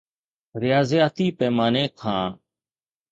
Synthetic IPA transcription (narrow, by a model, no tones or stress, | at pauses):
ɾɪjaːzjaːt̪iːpɛːmaːneːkʰãː